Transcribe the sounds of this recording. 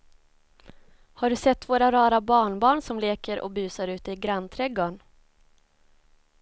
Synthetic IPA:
haɖɵsɛt̪ːvoːɾaɾɑːɾabɑːɳbɑːɳsɔmleːkəɾʔɔ̰bʉ̟ːsaɾʉ̟ːt̪əɪɡɾant̪ʰɾɛɡoːɳ

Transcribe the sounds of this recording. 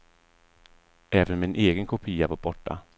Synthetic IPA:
ʔɛːvənmɪnʔeːɡənkʰʊpʰiːavaːɾbɔʈːa̰

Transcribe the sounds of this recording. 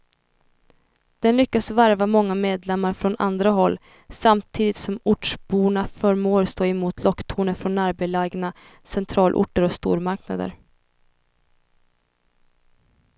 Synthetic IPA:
d̪̥ɛnlʏkːasvaɾvamɔŋːameːd̪lɛmːaɾfɾɔnʔa̰nd̪ɾaɦɔlː | samt̪ʰiːd̪ɪt̪sɔmʊʈʂbuːnafœɾmoːɾst̪ʰoːɪmuːt̪ʰlɔkːt̪ʰuːnəfɾɔnaɾbelɛɡna | sɛnt̪ʰɾɑːlʔʊ̰ʈːəɾɔst̪ṵːɾmaɾkna̰d̪ə̰ɾ

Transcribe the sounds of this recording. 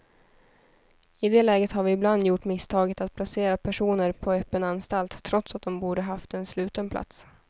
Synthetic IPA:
ɪd̪ɛːlɛːɡət̪haɾvɪːbland̪jʊʈːmɪst̪ʰɑːɡət̪at̪̚pʰlaseːɾapʰæʂuːnəɾpʰɔɛpːənanst̪alt̪ʰːɾɔt̪sat̪̚d̪ɔmbuːɖəɦaft̪ɛnslʉ̟ːt̪ənpʰla̰t̪s

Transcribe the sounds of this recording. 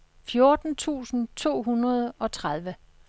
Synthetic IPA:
fjoɐd̥n̩t͡sʰṵːsn̩t͡sʰo̝̰ːɦunɐð̞ˠɒ̽t͡sʰʁað̞ˠʋə

